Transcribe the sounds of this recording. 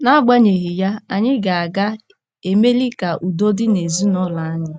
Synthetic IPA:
na˦a˦ɡ͡ba˦ɲe˨ɣi˨ja˦a˨ɲɪ˦ɡa˨a˨ɡa˦ | e˨me˦li˦ka˨ʔu˨do˦dɪ˦ne˨zu˦nɔ˦la˨a˦ɲɪ˨

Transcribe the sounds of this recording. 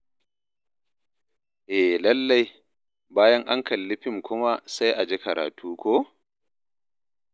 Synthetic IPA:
ʔɛ˨lɐ˦lːa˦j | baː˦jɐ˦ŋʔa˦ŋkɐ˨lːɪ˦ɸɪ˦˨ŋkʷʊ˦ma˦sa˦jʔa˨d͡ʒe˦kɐ˨ɾʔa̰ː˨tʰuː˦kʷoː˦

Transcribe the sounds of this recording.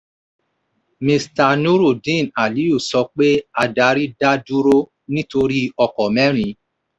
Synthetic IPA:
mĩ˧sta˧nu˦ɾo˨dĩ˦˨na˨li˨˦o˦˨sɔ˧k͡pe˦a˧da˨˦ɾi˦da˦du˦ɾo˦ | nĩ˦to˧ɾi˦ɔ˧kɔ˨mɛ̃˦ɾ̃ĩ˧˦

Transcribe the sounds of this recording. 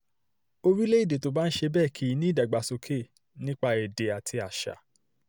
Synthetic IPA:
o˧ɾi˦le˦i˦˨de˨to˨˦ba˦n̩˦ʃe˧bɛː˦˨kʰi˨˦i˦nĩ˦da˨ɡ͡ba˨so˧kʰe˦˨ | nĩ˦k͡pa˧ɛ˨de˨a˨tʰi˧a˨ʃa̰˨˦

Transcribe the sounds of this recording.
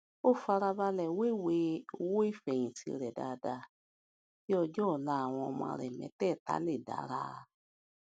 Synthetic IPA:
o˦˨fa˧ɾa˧ba˧lɛ˨we˦˨we˧˦o˧wo˦i˦˨fɛ˨j̃ĩ˨ti˧ɾɛ˨da̰˨˧da˧ | ki˦ɔ˧d͡ʒɔ˦˨la˦a˨w̃ɔ̃˧ɔ˧mɔ̃˧a˧ɾɛ˨mɛ̰̃˨˧˦tɛ˦˨ta̰˨˦le˦˨da̰˨˦ɾa̰˦ɾa˧

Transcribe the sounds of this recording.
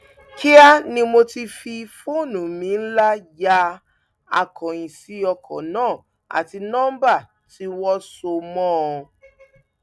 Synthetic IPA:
ki˦a˦nĩ˧mo˧ti˧fi˧fo˦˨nũ˨mĩ˨˦n̩˦la˦ja˧ | a˧kɔ̃˨ĩ˨si˨˦ɔ˧kʰɔ̰̃˨nãː˦˨ | a̰˨ti˧nã˦ba˦˨ | ti˨˦wɔ˦so˧mɔ̃˦˨ɔ˧

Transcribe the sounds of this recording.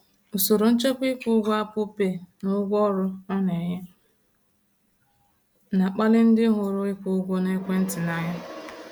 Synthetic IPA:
u˨so˨ɾo˨n̩˦t͡ʃe˦pʷɪ˦kʷʊ˦ɡʷa˦pʊ˦pe˨nʊ˦ɡʷɔ˦ɾʊ˦ɔ˦ne˨ɲɪ˦ | na˨k͡pa˦lɪ˦n̩˦dɪ˦ɦʊ˨ɾʊ˦ɪ˦kʷʊ˦ɡʷo˦ne˦kʷe˦n̩˦tɪ˨na˦ɲa˦

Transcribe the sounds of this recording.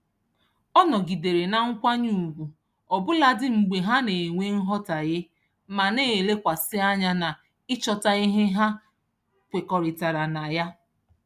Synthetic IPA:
ɔ˦nɔ˨ɡi˨de˨ɾe˨na˨ŋ̩˦kʷa˦ɲu˦˨ɡʷu˨ | ɔ˨bʊ˦la˦dɪ˦ŋ͡m̩˨ɡ͡be˨ɦa˦ne˨ŋʷe˦ŋ̩˦ɦɔ˦ta˨ɣe˦ | ma˨ne˦˨le˦kʷa˨sɪ˦a˦ɲa˦na˨ | ɪ˦t͡ʃɔ˦ta˨i˦ɦe˦ɦa˦ | kʷe˨kɔ˨ɾɪ˨ta˨ɾa˨na˨ja˦

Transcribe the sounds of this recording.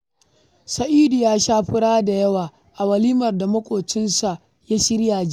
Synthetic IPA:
sɐ˨ʔiː˦du˨jaː˦ʃaː˦ɸɪ˦ɽaː˦da˨jɐ˦waː˨ | ʔa˨wɐ˨liː˦mɐ˨rda˨mɐ˦kʷʼoː˨t͡ʃɪ˦nsa˨ʔ | ja˦ʃɪ˦ɾjaː˨d͡ʒ

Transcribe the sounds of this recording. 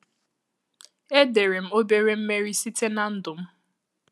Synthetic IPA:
e˦de˨ɾe˨m̩˦o˦be˦ɾe˦m̩˦me˦ɾi˦si˦te˦na˦n̩˦dʊ˨m̩˦

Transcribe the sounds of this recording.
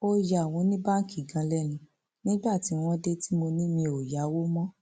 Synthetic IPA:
o˧ja˨w̃ɔ̃˧nĩ˦ba˦ŋ˦ki˦˨ɡã˧lɛ˦nĩ˧˦ | nĩ˦ba˦˨ti˨˦w̃ɔ̃˦de˦ti˦mo˧nĩ˦mĩ˧o˨ja˨˦wo˦mɔ̃˦

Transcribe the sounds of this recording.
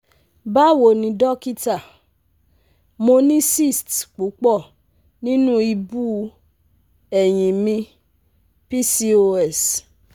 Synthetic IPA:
ba˦wo˨nĩ˧dɔ˦ki˦ta˦˨ | mo˧nĩ˦si˦˨stk͡pu˨˦k͡pɔ˦˨ | nĩ˦nũ˦i˧bu˦ | ɛ˨j̃ĩ˨mĩ˧ | pi˦si˧o˧ɛ˦˨s

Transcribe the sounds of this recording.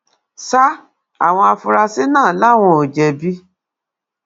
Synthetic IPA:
sa˦ | a̰˨w̃ɔ̃˧a˧fu˧ɾa˧si˦nãː˦˨˦la˦˨w̃ɔ̃˧o˨d͡ʒɛ˨bi˦

